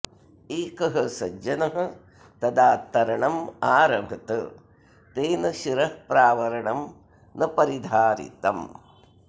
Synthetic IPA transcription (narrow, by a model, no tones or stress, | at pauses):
eːkɐɦɐsɐ̰d͡ʒɐnɐɦɐ̆ | t̪ɐd̪aːt̪ːɐɾɐɳɐmaːɾɐmʱɐt̪ɨ | t̪eːnɐʃiɾɐhpɾaːʋɐɾɐɳɐm | nɐpɐɾid̪ʱaːɾḭt̪ɐ̰m